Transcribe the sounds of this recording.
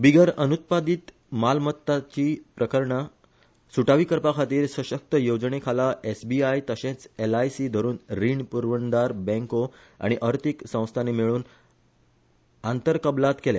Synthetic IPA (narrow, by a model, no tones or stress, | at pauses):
biɡəɾənut̪̚pad̪it̪ | malmət̪ːat͡ɕipɾəkəɾɳə | suʈaʋikəɾpakʰat̪iːɾsəɕək̚t̪əjod͡zɳekʰalaʔesbiajt̪əɕẽt͡selajsid̪ʱəɾuːnɾiɳpuɾʋənd̪aɾbɛ̃ŋko | a̰ɽ̃iʔəɾt̪iksə̃w̃st̪ʰanemiɭuːn | ant̪əɾkəblat̪kelja